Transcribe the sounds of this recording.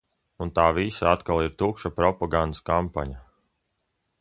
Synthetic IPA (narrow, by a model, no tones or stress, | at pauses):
unt̪aːvisaat̪kalˠiɾt̪ukʃapɾɔpaɡand̪skampaɲa